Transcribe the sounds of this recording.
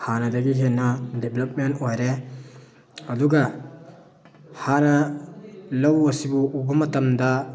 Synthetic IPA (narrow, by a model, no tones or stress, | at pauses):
hanɐdɐɡiɦenːɐdeblɐp̚mentojɾe | ɐduɡɐ | hanɐ | lɐwɐsibuʔubɐmɐtɐmdɐ